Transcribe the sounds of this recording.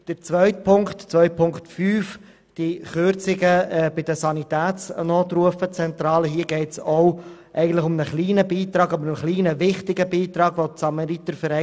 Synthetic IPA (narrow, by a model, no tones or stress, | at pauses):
d̥ət͡sʋœʏt̚pʰʊŋktt͡sʋœʏpʰʊŋktfyːf | d̥iχøɾt͡sɪɡəɛbɪd̥əsɑnitæːt͡snɔːtɾuəfət͡sɛnt̪ɾɑːləɦiːəɡɛɪtsɔwʔɛɪɡən̩tlɪχʊmnəχliːnəbiːt̪ɾɑːɡɑbɾənχliːnəvɪχtɪɡəbiːt̪ɾɑːɡʋosɑmɑɾit̪əfəɾɛ